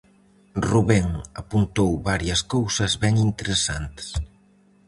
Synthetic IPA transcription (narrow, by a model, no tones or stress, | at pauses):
ruβɛŋɐpunt̪owβaɾjɐskowsɐzβɛŋint̪eɾesant̪s